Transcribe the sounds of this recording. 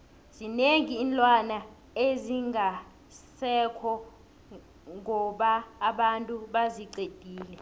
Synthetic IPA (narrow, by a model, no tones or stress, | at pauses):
z̥ineŋiːnlʼwana | eziŋa | sɛkʰɔ | ŋɔɓaːɓantʼuɓaziǀed̥ʱiːlɛ